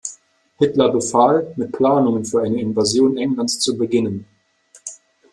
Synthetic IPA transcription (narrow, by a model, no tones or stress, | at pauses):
hɪtlɐbəfaːlmɪt̚pʰl̥aːnʊŋənfyːɐʔaɪnəɪnvazjoːnʔɛŋlantst͡subəɡɪnən